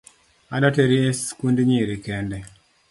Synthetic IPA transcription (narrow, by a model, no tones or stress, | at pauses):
adateɾieskundɲiɾikɛndɛ